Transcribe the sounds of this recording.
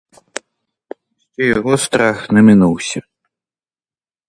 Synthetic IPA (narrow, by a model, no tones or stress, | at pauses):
sʲt͡sʲɔjaɣɔst̪ɾaxnɐmʲinuwsʲɐ